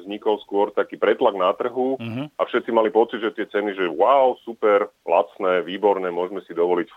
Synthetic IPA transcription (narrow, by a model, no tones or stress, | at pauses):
zɲikɔlskʊɔɾt̪akiːpɾɛt̪laɡnat̪r̩ɦuafʃɛt̪t͡simalipɔt͡sid̪ʒɛt̪ɪɛt͡sɛniʒɛwaʊsupɛɾla̰t͡snɛːʋiːbɔɾnɛːmʊɔʒmɛsid̪ɔʋɔlic